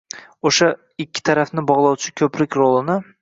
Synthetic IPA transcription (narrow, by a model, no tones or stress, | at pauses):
oʃa | ɪkʲʰːɪ̥t̪ʰaɾafnɪbɒʁlˠɒwt͡ʃʰɪkʲʰɵpɾɪkʲɾolˠɪnɪ